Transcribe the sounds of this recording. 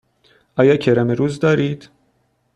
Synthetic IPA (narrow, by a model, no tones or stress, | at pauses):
ʔɒːjɒːcʰeɾæmeɾuːzd̪ɒːɾiːd̪̥